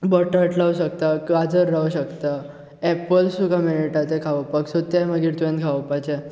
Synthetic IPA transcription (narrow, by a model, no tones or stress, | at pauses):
bəʈəʈlaʋuɕək̚t̪akad͡zəɾːauɕəkt̪a | ɛpəlsukameniʈat̪ekʰaʋəpaksot̪jaməɡiːɾt̪uẽnkʰaʋəpat͡ɕe